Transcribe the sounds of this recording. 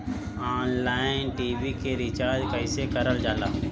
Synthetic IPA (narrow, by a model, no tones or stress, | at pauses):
aːnlaːɪnʈiːbikeɾɪt͡ʃaːɾd͡ʒkəɪsekəɾəld͡ʒaːlaː